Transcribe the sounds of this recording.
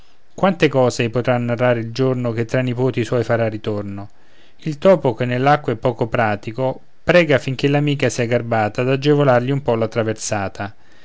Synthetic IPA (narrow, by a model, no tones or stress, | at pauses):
kwant̪ekɔːzepot̪ɾanːarːaːɾeild͡ʒornok̟et̪ːɾanːipoːt̪iswɔjfaɾarːit̪orno | ilt̪ɔːpokenːelːakːoɛpːɔːkopɾaːt̪iko | pɾɛːɡafiŋk̟elamiːkasiɛɡarbaːt̪ad̪ad͡ʒːevolarʎiumpɔlːat̪ɾaversaːt̪ʰa